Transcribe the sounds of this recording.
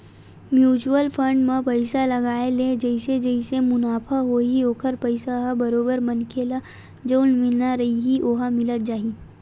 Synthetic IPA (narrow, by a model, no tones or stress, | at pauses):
mjuːt͡ʃuəlpʰə̃ɳɖmãpɐɪsalɐɡaːeled͡ʒɛɪsed͡ʒəɪsemʊnaːpʰaɦoioːkəɾpɐɪsaɦabɐɾoːbəɾmɐnkʰeːla | d͡ʒoːlmɪlnaɾɐɦiɦiʔoːɦamɪlət̪̚d͡ʒaːɦiː